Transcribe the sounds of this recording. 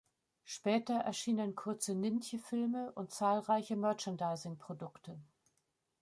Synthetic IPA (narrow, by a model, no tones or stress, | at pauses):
ʃpɛːtɐʔɛ̰ɐʃiːnənkʰʊɐt͡sənɪnçəfɪlməʔʊnt̚t͡saːlʁaɪçəmœɐt͡ʃəndaɪzɪŋpʁ̥odʊktʰə